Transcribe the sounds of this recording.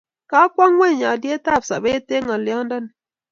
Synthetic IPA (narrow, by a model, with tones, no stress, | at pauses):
ka˦kwa˦ŋwɛ˦˨ɲa˨dje˦ta˦˨p̚sa˨be˦te˦ŋa˨lja˦ŋnda˦n˨